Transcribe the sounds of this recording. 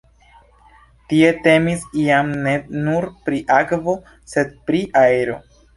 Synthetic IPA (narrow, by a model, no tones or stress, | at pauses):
tie̞te̞misiamne̞nuɾpɾiʔakvo̞ | se̞d̚pɾiʔaeɾo̞̰